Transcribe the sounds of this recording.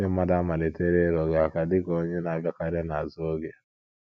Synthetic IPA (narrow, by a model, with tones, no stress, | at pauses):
e˦ma˦da˦ma˨le˨tɛ˦ɾɛ˦ɾɔ˨ɡɛ˨a˨ka˨di˦kɔ˨˦ɲɛ˦na˨˦vɔ˦ka˦ɾɛ˦na˨zɔ˦ɡɛ˨